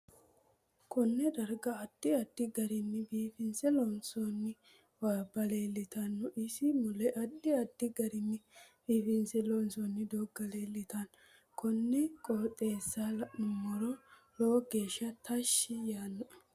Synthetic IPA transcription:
kʰɔnːɛd̪ɐɾɡɐɐd̪̥ːɪɐd̪ːɪɡɐɾɪnːɪbiːfɪnsɛlɔnsonːɪ | waːbɐleːlːɪt̪ɐnːɔʔɪsɪmʊlɛʔɐd̪ːɪɐd̪ːɪɡɐɾɪmːɪb̥iːfɪnsɛlɔnsɔnːɪd̪oːɡɐleːlːɪt̪ɐn | kʰɔnːɛkʼoːt̪ʼːeːsːalɐɪmɔɾɔ | lowɡe̞ːʃːɐt̪ʰɐʃːɪjaːnːɔ

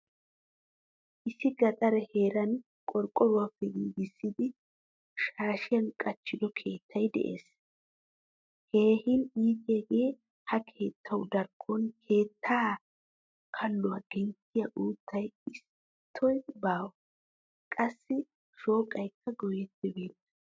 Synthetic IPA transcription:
ʔɪsɪɡɐt̪ʼɐɾɛheːɾɐn | kʼɔɾkʼːɔɾʊwapːɛɡiːɡɪsːɪd̪ɪ | ʃaːʃɪjɐnkʼɐt͡ʃːɪd̪ɔkʰe̞ːt̪ʰːɐjd̪ɛ̰ʔe̞̰ːs | heːhɪniːkeːɡe̞ː | hɐkʰe̞ːt̪ʰːɐwd̪ɐɾkʰːɔnkʰe̞ːt̪ʰːaː | kʰɐlːʊwaɡ̥ɛŋkːɪjɐʔuːt̪ːɐjɪs | t̪ʰːɔjbaːw | kʼɐsːɪ | ʃo̞ːkʼɐjkʰːɐɡɔjɛt̪ːɪbe̞ːnːɐ

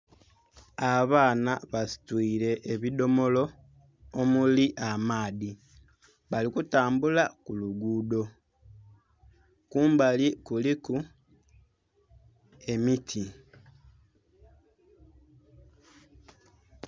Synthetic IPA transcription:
aβaːnaβasi̥twiːɾe̞ʔːβido̞mo̞lo̞ | omuliʔamaːði | βalikutaːmbulakuluɡuːdo̞ | kuːmbalikuliku | e̞mitʰi

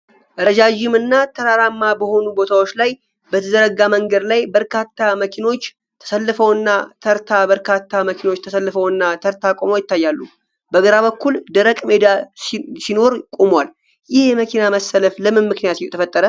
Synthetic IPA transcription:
ʔəɾəd͡ʒad͡ʒɪmɨnːat̪ʰəɾaɾamːabəho̞nubo̞t̪ʰawo̞t͡ʃːlaj | bət̪ʰəd̪əɾəɡaməŋɡəd̪lajbəɾkʰat̪ʰːaməkʰino̞t͡ʃː | t̪ʰə̥səlːɨfəwɨnːat̪ʰəɾt̪ʰabəɾkʰat̪ːaməkʰino̞t͡ʃːt̪ʰəsəlːɨfəwɨnːat̪ʰəɾt̪ʰakʼo̞mo̞jɪt̪ːajːalːu | bəɡəɾaβəkʰːuld̪əɾəkʼme̞d̪assino̞ɾkʼomwal | jɪhjməkʰinaməsələfləmɨnmːɨknijat̪jɛt̪ʰəfət̪ʼːəɾə

